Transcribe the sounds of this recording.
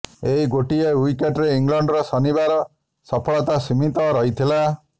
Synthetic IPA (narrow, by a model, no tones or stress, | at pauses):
eɦiɡoʈiewikeʈɾeiŋlɔɳɖɾɔsɔnibaɾɔ | sɔpʰɔɭɔt̪asimit̪ɔɾɔɦit̪ʰila